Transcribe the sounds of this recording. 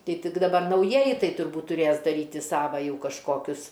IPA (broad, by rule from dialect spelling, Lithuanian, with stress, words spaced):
ˈtɐɪ ˈtʲɪk dɐˈbɐr nɐʊˈjiɛjɪ ˈtɐɪ tʊrˈbuːt tʊˈrʲeːs dɐˈrʲiːtʲɪ ˈsɑːʋɐ ˈjɛʊ kɐʃˈkoːkʲʊs